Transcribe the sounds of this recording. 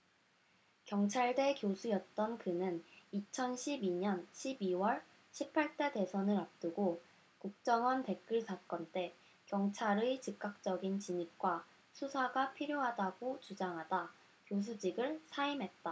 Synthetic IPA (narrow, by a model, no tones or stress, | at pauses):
kjʌŋt͡ɕʰaɭde̞kjosʰujʌt̚t͈ʌnkɯnɯnit͡ɕʰʌnɕʰibiɲʌnɕʰibiwʌɭ | ɕʰipʰaɭt͈e̞de̞sʰʌnɯɾap̚t͈ɯɡo | kuk̚t͡ɕ͈ʌŋʌnte̞k͈ɯɭsʰak͈ʌnt͈e̞ | kjʌŋt͡ɕʰaɾet͡ɕik̚k͈ak̚t͡ɕ͈ʌɡint͡ɕiɲip̚k͈wa | sʰusʰaɡapʰiɾjoɦadaɡot͡ɕud͡ʑaŋɦada | kjos̬ʰud͡ʑiɡɯɭsʰaimɦe̞t̚t͈a